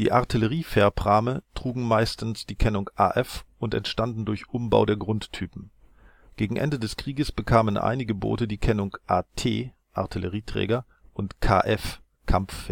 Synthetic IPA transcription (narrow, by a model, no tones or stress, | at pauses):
d̥ḭːʔaɐtʰiləʁiːfɛːɐpʁ̥aːmətʁ̥uːɡŋ̩maɪstn̩sd̥iːkʰɛnʊŋʔa̰ːʔɛfʔʊntɛ̰ntʃtandn̩dʊɐçʔʊmba̰ʊdeːɐɡʁʊntʰːyːpm̩ | ɡ̥eːɡŋ̩ʔɛ̰ndədɛskʁ̥iːɡəsb̥əkʰaːmənʔa̰ɪnɪɡəbo̰ːtədiːkʰɛnʊŋʔaːtʰḛː | ʔa̰ɐtʰiləʁiːtʁ̥ɛ̰ːɡɐ | ʔʊntkʰa̰ːʔɛf | kʰamfːɛ